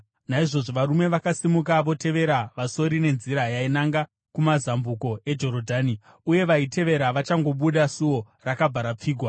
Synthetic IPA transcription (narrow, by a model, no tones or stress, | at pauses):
naiʐo̞ʐo̞ʋaɾume̞ʋakasimuk̬aʋo̞te̞ʋe̞ɾaʋaso̞ɾine̞nziɾajainaŋɡa | kumazambuko̞e̞d͡ʒo̞ɾo̞dʱaːni | uje̞ʋaite̞ʋe̞ɾaʋat͡ʃaŋɡo̞ɓuɗasuo̞ | rakabʱaɾap͡fiːɡʱwa